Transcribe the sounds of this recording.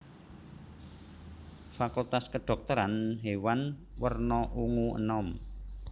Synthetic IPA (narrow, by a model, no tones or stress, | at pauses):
fakult̪askəɖ̥ɔ̤k̚t̪əɾanɦewanwərnɔʔuŋuə̰nɔm